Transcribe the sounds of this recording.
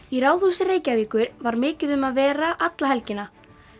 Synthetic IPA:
iɾaːwðusɪreːjcaviːkʏɾvaɾmɪːcɪðʏmaðvɛːɾaʔat̪laɦɛlcɪna

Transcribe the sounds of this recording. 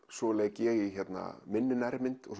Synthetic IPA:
sɔːlɛːɣcɛːɣɪçɛt̪na̰mɪnːɪnɛɾmɪnt̪ɔɣ

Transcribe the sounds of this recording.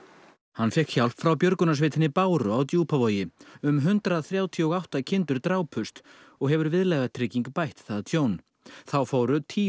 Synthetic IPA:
hanːfɛhkçal̥pfɾawpjœɾkʏnas̬vɪːt̪ʰɪnɪpaːwɾʏawt̪juːpʰavoːjɪʏmɦʏnt̪ɾaðθɾjaːwt̪ʰijɔɣawht̪acʰɪnt̪ʏɾt̪ɾaːwpʰʏst̪ | ɔɣɦɛvʏɾvɪðlɛjɣat̪ʰɾɪciŋkpajht̪θaðat̪ʰjoːwn | θawfoːwɾʏt̪ʰiː

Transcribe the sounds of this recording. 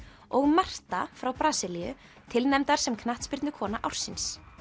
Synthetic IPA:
ɔɣmar̥t̪afɾawpɾaːsɪlijʏ̰ | t̪ʰɪlnɛmt̪aɾ̥sɛmkʰnaht̪spɪɾt̪nʏkʰɔːnaʔawr̥sɪns

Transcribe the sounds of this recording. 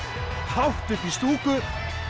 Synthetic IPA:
hawht̪ʏpist̪uːkʏ

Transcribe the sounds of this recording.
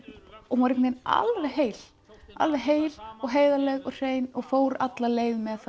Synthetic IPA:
ɔɣuvaɾekmena̰lvejɦeːjl | a̰lvejɦeːjlɔɣɦeːjðalɛɣɔɣr̥eːjnɔɣfoːwɾat̪laleːjɣmɛðθ

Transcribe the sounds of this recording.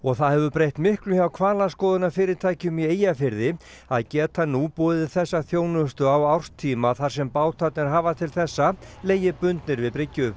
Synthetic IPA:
ɔɣθaðhɛvʏpɾejht̪mɪhklʏçawkʰvaːlaskɔːðʏnafɪːɾɪɾt̪ʰaːjcɪmjɛeːjafɪɾðɪ | aðcɛːt̪ʰanupɔːðɪθɛsːaθjoːwnʏst̪ʏawawr̥st̪ʰiːmaθaɾ̥sɛmpaːwt̪ʰat̪nɪɾɦaːvat̪ʰɪlθɛsːaleːjɪpʏnt̪nɪɾvɪðpɾɪcːʏ

